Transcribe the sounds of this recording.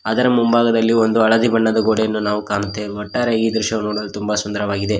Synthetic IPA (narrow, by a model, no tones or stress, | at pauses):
aːd̪ɐɾɐmumbaːɡɐd̪ɐlːiond̪uɐɭɐd̪ibɐɳːɐd̪ɐɡoɽejɐnːunaːʋukaːɳut̪ːeɔʈːaːɾeiːd̪ɾuʃɐʋnoːɽɐlut̪umbɐsund̪ɐɾɐʋaːɡid̪e̞